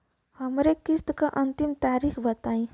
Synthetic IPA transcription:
həmɾekist̪kaʔʌnt̪imt̪aɾikʰbət̪aĩ

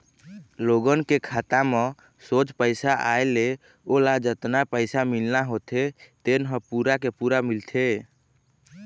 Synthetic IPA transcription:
loɡənkekʰat̪amẽ | sot͡ʃpəɪsaʔaele | olad͡ʒət̪napəɪsamilnaɦot̪ʰet̪enɦə̃puɾakepuɾamilt̪ʰe

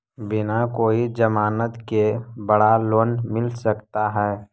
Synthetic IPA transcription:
bɪnakoːid͡ʒəmaːnət̪kebəɽaloːnmɪlsəkt̪aɦɛː

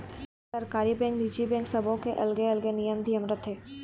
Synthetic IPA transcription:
sɐɾkaːɾibɛ̃ːŋkɖiːd͡ʒibɛ̃ːŋksɐbʱõkeʔɐlɡeɐlɡenijəmd̪ʱijəmɾət̪ʰeː

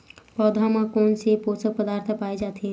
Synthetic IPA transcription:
pəd̪ʱaməkonseposək̚pəd̪aɾt̪ʰpajd͡ʒat̪ʰi

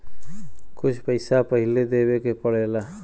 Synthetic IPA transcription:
kut͡ʃʰpəjsapəɦiled̪ebekepʌɽ̤ela

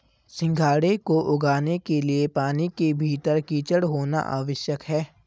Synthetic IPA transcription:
sɪ̃ŋɡʱaːɽekoʔʊɡaːnekeliepaːnikebʱiːt̪əɾkiːt͡ʃəɽɦoːna̰ʔa̰ːʋəʃjəkɦɛː

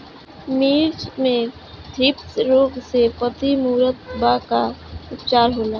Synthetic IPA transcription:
miːɾd͡ʒmẽ | d̪ʱɾɪpsɾoːɡsepət̪imuːɾət̪̚bakaʊpt͡ʃaːɾɦoːlaː

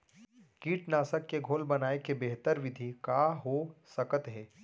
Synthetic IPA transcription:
kiːʈnaːsəkːeɡʱoːlbɐnaːekebeɦt̪əɾʋɪd̪ʱikaːɦosəkət̪ɦɛː

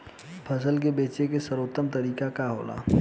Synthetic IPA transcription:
pʰɐs̬əlk̬ebeːt͡ʃekesəɾoːt̪ːəmt̪ɐɾiːkakaɦo̰ːla̰ː

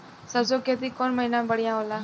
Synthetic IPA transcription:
səsoket̪ikɔnməɦinãbəɽ̤ijãɦolaː

